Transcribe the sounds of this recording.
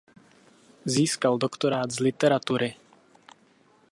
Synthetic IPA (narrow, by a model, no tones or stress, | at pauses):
ziːskaldokt̪oɾaːd̪zlɪt̪ɛɾat̪uɾɪ